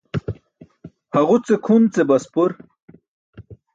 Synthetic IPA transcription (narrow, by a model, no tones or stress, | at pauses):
hɐʁut͡sekʰunt͡sebɐspuɾ